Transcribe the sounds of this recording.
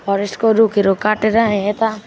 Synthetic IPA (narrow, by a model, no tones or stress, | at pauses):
ɔːɾɪskoɾukiɾokaːʈeɾaɦẽet̪a